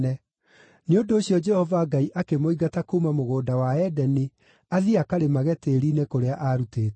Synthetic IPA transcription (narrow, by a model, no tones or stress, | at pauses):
ɛ | neondoːɕjɔd͡ʒɛhɔvaɡaiʔakemoiɡatakumamoɣoːdawaɛdɛni | aðiakaɾemaɣɛteɾinekoɾeaʔaɾuteːt